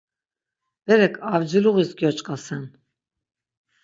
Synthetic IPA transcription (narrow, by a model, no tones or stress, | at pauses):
b̥ɛɾɛkʰavd͡ʒiluɣisɡjɔt͡ʃʼqʼasɛn